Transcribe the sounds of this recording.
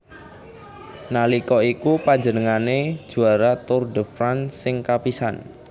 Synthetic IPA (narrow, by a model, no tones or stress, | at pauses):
nalikɔikupaɲd͡ʒənəŋane̥ʒ̥ṳaɾat̪ʊrdəfɾansɪŋkapisan